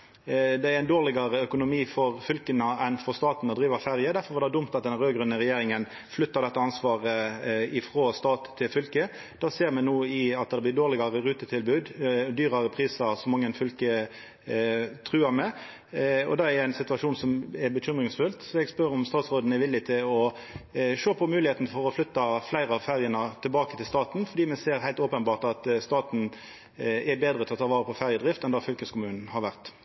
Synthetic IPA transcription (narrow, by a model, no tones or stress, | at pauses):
d̪ɛæɾæɪnd̪oːʁlɪɡɑɾəœkʊnʊmiːfɔɾfʏlkənəɛnfɔʁst̪ɑːt̪nɔd̪ɾiːʋəfæʁjəd̪æɾfɔɾʋɑʁd̪ɛd̪ʊmt̪ɑt̪d̪ɛnɾøːɡɾʉnːəɾɛjeːɾɪŋən | flʏt̪ːɑʁd̪ɛt̪ːəɑnsʋɑːʁəɪfɾoːst̪ɑːt̪ʰːɪlfʏlkə | d̪̥ɑːseːɾmɛnnuːɪɑt̪̚d̪ɛd̪ɛblɪd̪oːɾlɪɡɑʁəʁʉːt̪ət̪ʰɪlbʉːd̪d̪yːɾɑɾəpʰɾiːsəɾsɔmːɑŋːənfʏlkə | t̪ʰʁʉːɑmɛ | ɔ̰d̪ɑæɛɛæɪnsɪt̪ʋɑʂuːnsɔmɛbəçʏmʁɪŋsfʉlt̪sɔɛɡspœɾɔmst̪ɑːt̪sʁoːd̪n̩ɛɾʋɪlːɪt̪ʰɪlɔ | ʂoːpʰɔmʉːlɪheːt̪n̩fɔʁɔflʏt̪ːɑflæɪɾəɑʋfæʁjənət̪ʰɪlbɑːkə̥t̪ʰɪlst̪ɑːt̪nfɔɾd̪iːmɛseːɾhæɪlt̪oːpənbɑːʁt̪ɑt̪st̪ɑːt̪n̩ | ɛbeːd̪ʁət̪ʰɪlɔt̪ʰɑːʋɑːʁəpʰɔfæʁjəd̪ʁɪft̪ɛnd̪ɑfʏlkəskʰʊmʉːnn̩hɑɾʋæʁt̪